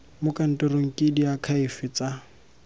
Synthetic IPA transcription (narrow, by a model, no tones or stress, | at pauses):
mʊkʼan̩toroŋ̩kʼɪdiakʰaɪfɪt͡sʼa